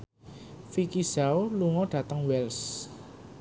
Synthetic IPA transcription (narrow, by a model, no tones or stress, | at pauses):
fikizaoluŋɔɖ̥ä̤t̪əŋwɛls